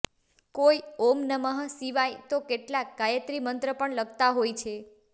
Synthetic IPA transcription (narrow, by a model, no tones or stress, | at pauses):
kojomnəməɦəsiʋajt̪okeʈlak̚ɡajət̪ɾimənt̪ɾəpəɳləɡt̪aɦojt͡ʃʰe